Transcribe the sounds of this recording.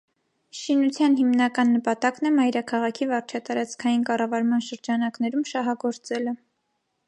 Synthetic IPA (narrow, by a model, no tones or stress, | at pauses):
ʃinut͡sʰjɑnhimnɑkɑnːəpɑt̪ɑkn̪ɛmɑjɾɑkʰɑʁɑkʰivɑɾt͡ʃʰɑt̪ɑɾɑt͡sʰkʰɑjinkɑrɑvɑɾmɑnʃəɾd͡ʒɑnɑknɛɾumʃɑɦɑɡɔɾt͡sɛlɛ